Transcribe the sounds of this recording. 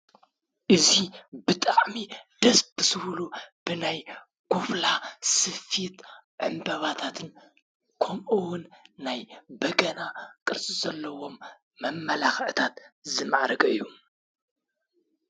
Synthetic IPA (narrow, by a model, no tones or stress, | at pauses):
ʔɨzibɨt̪ʼaʕmid̪̥ɐsbɨsɨhlub̥ɨnaj | ɡ̥oflasɨfit̪ʕɨ̰mbɐβat̪ʰat̪ʰɨn | kʰomʔɨwʊnːajbɐɡɐnakʼɨɾt͡sʼizɐlːɐwo̞mː | ɐmːɐlaxʕt̪ʰat̪zɨmaʕɾɐɡʼɐɨjːu